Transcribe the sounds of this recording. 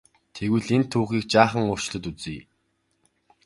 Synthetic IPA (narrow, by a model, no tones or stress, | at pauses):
t̪ʰeɣwɘ̆ɮent̪ʰːuːχiːk̚t͡ɕaːχə̆ŋʊr̥t͡ɕɮə̆t̪ut͡siː